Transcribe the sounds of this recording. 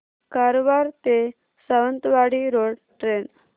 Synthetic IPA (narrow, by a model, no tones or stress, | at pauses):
kaɾobaɾt̪e | səʋənt̪ʋaɽiɾoɽ | ʈɾen